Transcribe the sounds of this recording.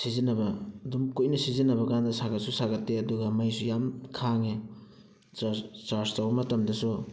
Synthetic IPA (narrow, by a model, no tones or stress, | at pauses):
sizinɐbɐdumkojnɐsizinːɐbɐkandɐsaɡɐt̚susaɡɐtːeɐduɡɐmɐjsujamkʰaŋe | t͡ʃaɾstawbɐmɐtɐmdɐsu